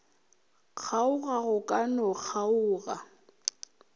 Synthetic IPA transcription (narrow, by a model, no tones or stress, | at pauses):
k͡xʰaʊɣaɣʊkʼanɔk͡xʰaʊːɣa